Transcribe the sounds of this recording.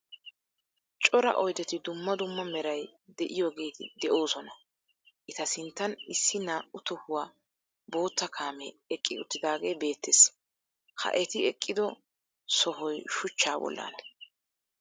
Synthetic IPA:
t͡ʃʼɔɾɐ̰ʔɔjd̪ɛt̪ɪd̪ʊmːɐd̪ʊmːɐmɛɾɐjd̪ɛʔɪjoːɡeːt̪ɪ̰d̪ɛʔo̞ːsɔnɐ | ʔɪt̪ɐsɪnt̪ːɐnɪsːɪnɐʊt̪ːɔhʊwaː | bo̞ːt̪ːɐkʰaːmɛːkʼːɪʊt̪ːɪd̪aːɡe̞ːbe̞ːt̪ːeːs | hɐ̰ʔɛt̪ɪɛkʼːɪd̪ɔ | sɔɦɔjʃʊt͡ʃːaːbɔ̰lːa̰ːn

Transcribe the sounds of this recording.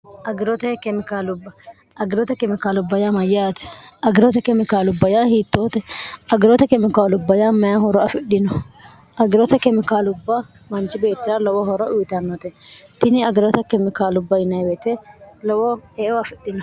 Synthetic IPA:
ʔɐɡɪɾɔt̪ɛkɛmɪkaːlʊbːɐ | ʔɐɡɪɾɔt̪ɛkɛmɪkaːlʊbːɐjamɐjaːt̪ɛ̥ɐɡɪɾɔt̪ɛkɛmɪkaːlʊbːɐjahiːt̪ːoːt̪ɛɐɡɪɾɔt̪ɛkɛmɪkaːlʊbːɐjamɐjɐhɔɾɔɐfɪɗɪnɔ | ʔɐɡɪɾɔt̪ɛkɛmɪkaːlʊbːɐ | mɐnt͡ʃːɪbe̞ːt̪ːɪɾalɔwɔhɔɾɔʔʊjt̪ɐnːɔt̪ɛt̪ɪnɪɐɡɪɾɔt̪ɛkɛmɪkaːlʊbːɐjɪnɐjbeːt̪ɛlɔwɔɛːʔɔɐfɪɗːɪnɔ

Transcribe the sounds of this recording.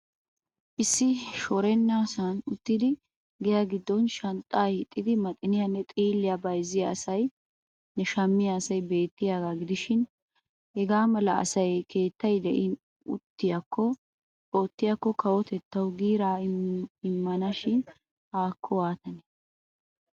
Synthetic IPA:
ʔɪsːɪʃɔɾɛnːaːsanʊt̪ːɪd̪ɪ | ɡɛjɐɡɪd̪ːɔnʃɐnt̪ʼːaːɪt̪ʼːɪd̪ɪmɐt̪ʼːɪnɪjɐnːɛt̪ʼiːlːɪjɐbɐjzːɪjɐːsɐj | nɛʃɐmːɪjaːsɐjbe̞ːt̪ːɪjaːɡaɡɪd̪ɪʃɪn | hɛɡaːmɐlɐɐ̰sɐjkʰe̞ːt̪ːɐjd̪ɛʔɪn | ʊ̰t̪ːɪjɐkʰːɔ | oːt̪ːɪjɐkːɔkʰɐwɔt̪ɛt̪ːɐwɡiːɾaːɪmːɐnɐʃɪn | aːkʰːɔwaːt̪ɐnɛ̥

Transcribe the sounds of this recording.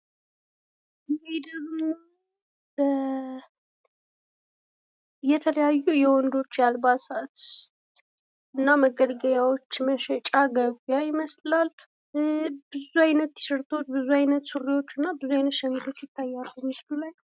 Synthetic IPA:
jɛhed̪əɡmo | bə | jɛt̪ʰələjajːujɛwɔnd̪o̞t͡ʃːjalbasat̪ | ʔɨnːaməɡəd̪ɡəjawo̞t͡ʃːməʃɛt͡ʃʼaɡəβjajɪməslal | b̥ɨzuajnət̪ːɨ̥ʃɪɾt̪ʰo̞t͡ʃːbɨzuajnət̪suriwo̞t͡ʃːɨnːabɨzuajnət̪ʃɛmit̪ʰo̞t͡ʃːjɪt̪ʰːajːalːumislulaj

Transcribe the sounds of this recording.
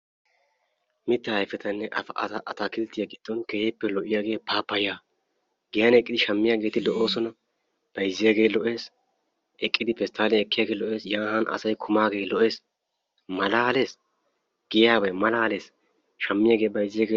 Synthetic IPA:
mɪt̪ːɐɐjfɛt̪ɐnːɛʔɐ̰fɐʔɐ̰t̪ɐʔɐt̪akɪlt̪ɪjaɡɪd̪̥ːɔnkɛjɛpːɛlɔʔɪjaːɡe̞ːpaːpːɐjaː | ɡɪjɐnɛkʼːɪd̪ɪʃɐmːɪjaːɡe̞ːt̪ɪlɔʔo̞ːsɔnɐ | b̥ɐjzːɪjaɡe̞ːlɔʔe̞ːs | ʔɛkʼːɪd̪ɪpɛst̪ʰːaːlɛɛkːɪjaːɡeːlɔʔe̞ːsjaːɦɐnɐ̰sɐjkʰʊmaːɡe̞ːlɔʔe̞ːs | mɐlaːle̞ːs | ɡ̥ɪjaːbɐjmɐlaːle̞ːs | ʃɐmːɪjaːɡe̞ːbɐjzːɪjaːɡeː

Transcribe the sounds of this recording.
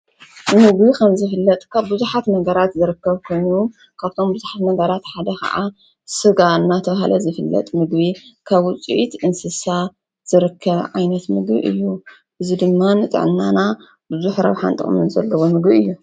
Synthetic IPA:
mɨɡbikʰɐmzɨfɨlːɐt̪ʼkʰaβbɨzuħat̪nɐɡɐɾat̪zɨɾɨkːɐβkʰo̞jnu | kʰaβt̪ʰo̞mbɨzuħat̪nɐɡɐɾat̪ħad̪ɐkʰɐ̰ʔa | sɨɡanːat̪ʰɐβahalɐzɨfɨlːɐ̰t̪ʼmɨɡβikʰaβʊt͡sʼḭʔit̪ʔɨnsɨsa | z̥ɨɾɨkʰːɐβʕa̰jnɐt̪mɨɡbḭʔɨ̰jːu | ʔɨzid̪ɨmːanɨt̪ʼɨ̰ʕnːana | bɨzuħɾa̰βħa̰nt̪ʼɨ̰χʼmɨ̰nzɐ̰lːɐβomɨɡbiɨjːu

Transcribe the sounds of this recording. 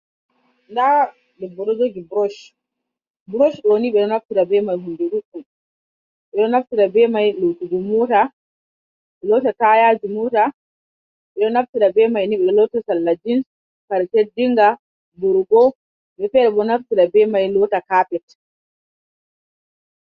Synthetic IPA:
nda | dɛbɔɾɔd͡ʒoɡibɾɔʃ | bɾɔʃɗɔniɓɛɗɔnaftiɾabɛmajɦunduɗukːu | ɓɛɗɔnaftiɾabɛmajlowtuɡɔmɔta | ɓɛlɔtatajad͡ʒumuta | ɓɛɗɔnaftiɗabɛmajniɓɛlɔtasalːad͡ʒins | kaɾtedːiŋɡa | buɾuɡɔ | ɓɛfɛɗɛɓɔnaftiɾabɛmajlɔtakaːpɛt

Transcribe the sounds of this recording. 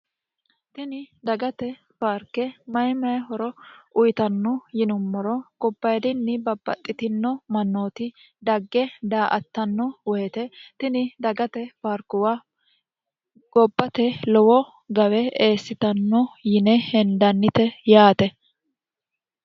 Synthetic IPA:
t̪ɪnɪd̪ɐɡɐt̪ɛ | faːɾkːɛmɐjmɐjhɔɾɔʔʊjt̪ɐnːɔjɪnʊmːɔɾɔɡ̥ɔbːɐjd̪ɪnːɪbɐbːɐ̰t̪ʼːɪt̪ɪnːɔmɐnːoːt̪ɪ | d̪ɐɡːɛd̪aːʔɐt̪ːɐnːɔwɔjɛt̪ɛt̪ɪnɪd̪ɐɡɐt̪ɛfaːɾkːʊwa | ɡ̥ɔbːɐt̪ɛlɔwɔ | ɡɐwɛeːsːɪt̪ɐnːɔjɪnɛhɛnd̪ɐnːɪt̪ɛjaːt̪ɛ

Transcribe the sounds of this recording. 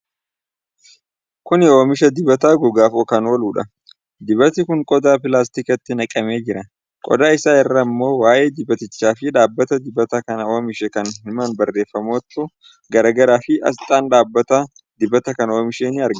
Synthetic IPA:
kʊnɪoːmɪʃɐd̪ɪbɐt̪aːɡɔɡaːfɔkɐnoːluːᶑɐ | d̪ɪbɐt̪ɪkʊŋkʼɔd̪aːpɪlaːs̬t̪ɪkɐt̪ːɪnɐkʼɐme̞ːd͡ʒɪɾɐ | kʼɔ̰d̪aːɪsaːɛrːɐmːo̞ːwaːʔe̞ːd̪ɪbɐt̪ɪt͡ʃːaːfɪᶑaːbːɐt̪ɐd̪ɪbɐt̪ɐkɐnɐoːmɪʃɛkɐnhɪmɐnbɐrːe̞ːfːɐmoːt̪ːʊ | ɡɐɾɐɡɐɾaːfɪʔɐ̰st̪ʼaːnᶑaːbːɐt̪ɐ | d̪ɪbɐt̪ɐkɐnoːmɪʃe̞ːnɪɐɾɡ

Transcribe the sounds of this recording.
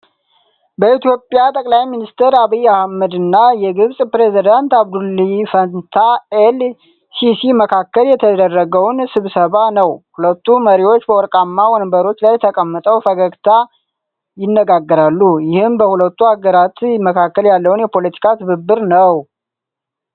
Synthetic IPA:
bəit̪jo̞pʼjat̪ʼəkʼlajminist̪ʰəɾaβijːahməd̪ɨnːajɛɡɨβsʼpɾe̞zid̪ant̪aβd̪ulːifənt̪ʰael | sisiməkʰakːəljɛt̪ʰəd̪ərːəɡəwnsɨβsəβanəwhulət̪ːuməɾiwo̞t͡ʃːbəwɔɾkʼamːawɔnbəɾo̞t͡ʃːlajt̪ʰəkʼəmːət̪ʼəwfəɡəɡt̪ʰa | jɪnːəɡaɡːəɾalːujɪhɨmbəhulət̪ːuaɡəɾat̪məkʰakːəljalːəwnjɛpʰo̞lət̪ʰi̥kʰat̪ʰɨβɨbːɨɾnəw

